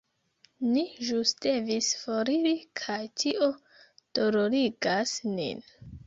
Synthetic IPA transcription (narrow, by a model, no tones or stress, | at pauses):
niʒusd̥e̞visfoɾiɾikʰajtʰiʔo | d̥o̞ɾo̞ɾiɡasnḭn